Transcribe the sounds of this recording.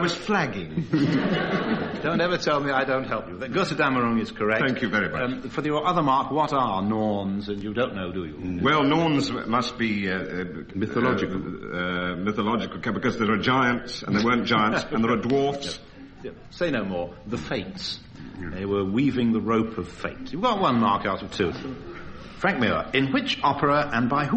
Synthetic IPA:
aɪwʌz̥flæɡɪ̃ŋ | dõʊ̃ntɛvə˞tʰɛlˠmiaɪdõʊ̃nt̚ɦɛlˠpjɨðɡoɾɨdæmə˞ɹõnɨz̥kʰə˞ɛk̚θæ̃ŋkʰjʉvɛɹimʌt͡ʃfə˞ðəʔʌðə˞mɑɹkwʌɾənɔɹnzɨ̃njɨdõʊ̃nːoʊdɨjɨ̰wɛlˠnɔɹnzmʌst̚b̥i | mɪəlɔd͡ʒɨklˠ | mɪθəlɑd͡ʒɨkl̩ˠkʰɛbɨkʌzðəəd͡ʒaɪə̃ntsə̰̃n̩ðeɪwɜ̃˞nd̥d͡ʒ̥aɪə̃nsə̃nðə˞ədwɔɹfs | jɛ | seɪnoʊmɔɹðəfeɪts | ðeɪwə˞wivɪ̃ŋðəɹoʊpʰʌv̥feɪtjɨvɡɑt̚wʌ̃nmɑɹkaʊɾʌv̥tʰʉ | fɹæ̃ŋk̚mɪɹə̰ɨ̃nwɪt͡ʃɑpʰə˞əɨ̃nbaɪ

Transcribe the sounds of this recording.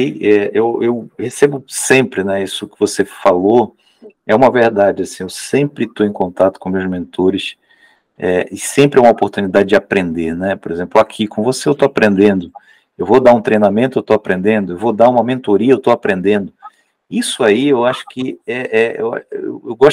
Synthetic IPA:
iɛewewhesebʊsẽmpɾɪnɛisʊkɪvosefalo | ɛũmɐveɾd̪ad͡ʒɪasĩewsẽmpɾɪt̪oẽj̃kõnt̪at̪ʊ̥kõmewzmẽnt̪oɾɪs | ɛɪsẽmpɾɪɛũmopoɾt̪unid̪ad͡ʒɪd͡ʒɪapɾẽnd̪eɾnɛpoɾezẽplʊakʰikõvoseewt̪oapɾẽnd̪ẽnd̪ʊ | ewvod̪aɾũt̪ɾejnamẽnt̪ʊewt̪oapɾẽnd̪ẽnd̪ʊewvod̪aũmɐmẽnt̪oɾiɐewt̪oapɾẽnd̪ẽnd̪ʊ | isʊaiewaʃʊ̥kɪɛʔɛḛwa̰ḛwewɡɔʃ

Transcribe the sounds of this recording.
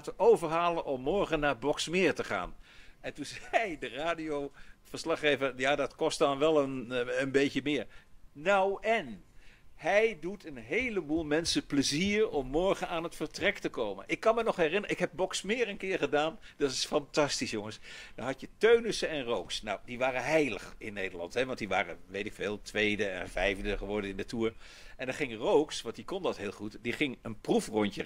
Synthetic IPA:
təʔowvəɹɦaːlənʔɔmːɔɹχənaːɹbɔksmɪːɹtəχa̰ːnɛntunzɛjdəraːdiowv̥əɹslɑχːejvəɹjaːdɑtkɔstɑnʋɛlˠənənbejcəmɪːɹnawɛn | ɦɛjdutʰənɦejləbuːlˠmɛnsəpləziːɹɔmːɔɹχənaːnɦətfəɹtrɛktəkowmə̰nʔɪkːɑnmənɔχɦɛrɪnəəɪkɦɛb̚bɔksmɪːɹənkɪːɹχədaːnd̥ɑtɪ̥sfɑntɑstisjʊŋəsd̥ɑ̰nɦɑtjətøɥnəsəɛnrowksna̰wdiʋaːrəɦɛjləχɪnːejdəɹlɑ̰ntɦɛʋɑntdiʋa̰ːrə̰ʋejtɪkfɪːlˠtʋejdəɛ̰nvɛjvdəχəʋɔɹdəɪndətuːɹ | ɛndɑχɪŋrowksʋɑntdikɔndɑtɦɪːlˠχutdiχɪŋənprufrɔɲcə

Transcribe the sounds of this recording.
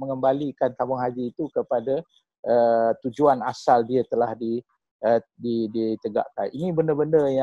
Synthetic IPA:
məŋəmbalikant̪ambʊŋɦad͡ʒiːt̪ukəpada | ʔət̪ud͡ʒuanasaldiət̪əlahdi | ədidit̪əɡa̰ʔka̰ninĩbəndərbəndərja

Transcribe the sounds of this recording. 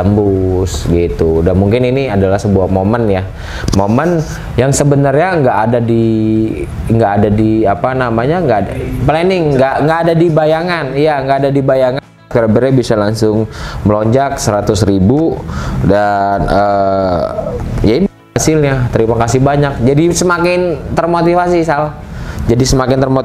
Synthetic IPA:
əmbʊsɡit̪udanmuŋkɪniniadalahsəbuahmomənja | momən | jaŋsəbənərɲaŋɡaʔːdadi | ŋɡaːdadiapanamaɲaŋɡadapəlanɪŋŋɡaʔŋɡaːdadibajaŋanijaŋɡaːdadibajaŋa | kuɾabəɾɛbisalaŋsʊŋməloɲd͡ʒak̚səɾat̪ʊsɾibudanə | jain | sɪlɲat̪əɾimakasɪhbaɲak̚d͡ʒadisəmakɪnt̪ərmot̪ifas̬isalah | d͡ʒadisəmakɪnt̪ərmot̪

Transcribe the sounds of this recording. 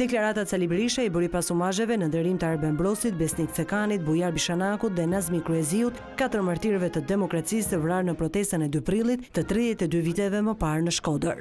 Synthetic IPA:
d̪ɛklaɾat̪asalibɛɾiʃaibəɾipasumaʒɛvɛnənd̪ɛɾimt̪əaɾbɛmbɾɔsit̪̚bɛsnikt͡sɛkanit̪̚bujaɾbiʃanakut̪ðɛnazmikɾuɛziut̪ | kat̪əɾmaɾt̪iɾvɛt̪əd̪ɛmɔkɾat͡sist̪əvɾaɾnəpɾɔt̪ɛst̪ənɛd̪ypɾilˠit̪ːət̪ɾiðjɛt̪ɛd̪yvit̪ɛvɛməpaɾnəʃkɔd̪əɾ

